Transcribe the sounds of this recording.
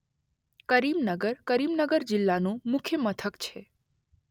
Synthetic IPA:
kəɾimnəɡəɾkəɾimnəɡəɾd͡ʒɪlːanũmʊkʰjəmət̪ʰəkt͡ʃʰe

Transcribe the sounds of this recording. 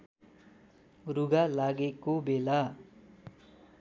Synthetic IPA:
ruɡalaɡekobela

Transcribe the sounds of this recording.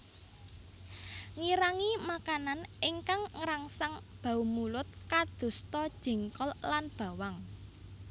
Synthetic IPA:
ŋiɾaŋimakananɪŋkaŋŋəɾaŋsaŋb̥a̤umulʊt̪̚kad̪̥ṳst̪ɔd̥ʒ̥i̤ŋkɔllanb̥a̤waŋ

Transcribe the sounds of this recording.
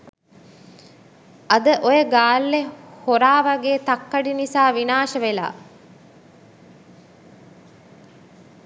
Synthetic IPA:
ɐd̪əʔojəɡaːlːehoɾaːʋaɡeːt̪akːɐɖinisaːʋinaːʃəʋela̰ː

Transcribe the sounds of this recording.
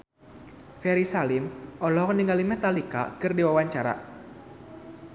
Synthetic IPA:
fɛɾisalɪmʔɔlɔkəniŋalimɛt̪alika̰kɨrdiwawaɲt͡ʃaɾa̰

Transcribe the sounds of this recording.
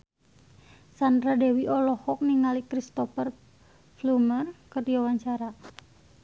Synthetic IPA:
sandɾadɛwiʔɔlɔhɔk̚niŋalikɾist̪ɔfər | flumərkərdiwawaɲt͡ʃaɾa

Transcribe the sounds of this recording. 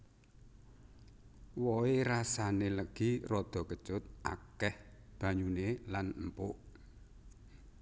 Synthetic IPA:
woeɾasaneləɡ̥irɔd̪̥ɔ̤kə̥t͡ʃʊt̪̚ʔa̰kɛhb̥ä̤ɲunelanəmpʊʔ

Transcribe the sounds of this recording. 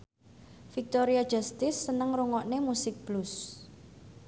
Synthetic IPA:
fik̚t̪oɾiḁʒ̥ast̪ɪsːənəŋruŋɔʔnemusɪk̚b̥lus

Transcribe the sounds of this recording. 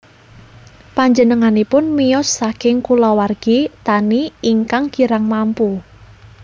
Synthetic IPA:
paɲd͡ʒənəŋanipʊnmijɔsːakɪŋkulɔwarɡ̥it̪aniiŋkaŋkiɾaŋmampu

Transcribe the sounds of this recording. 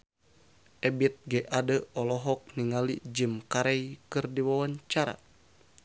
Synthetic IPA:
ʔɛbit̪̚ɡɛʔadəɔlɔɦɔk̚niŋalid͡ʒimkaɾɛjkɨrdiwawaɲt͡ʃaɾa̰

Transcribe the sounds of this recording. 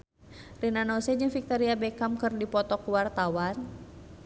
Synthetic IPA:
rinanɔsɛd͡ʒɨŋfik̚t̪ɔɾiabɛkamkɨrdipɔt̪ɔkuwart̪awan

